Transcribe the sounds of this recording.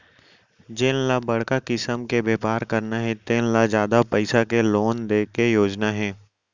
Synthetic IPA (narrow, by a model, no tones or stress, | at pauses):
d͡ʒenlabɐɽ̤kakɪsəmkebeːpaːɾkɐɾnaɦɛ̃t̪eːnlad͡ʒjaːd̪apəɪsakeloːnd̪eːkejoːd͡ʒnaɦɛ̃ː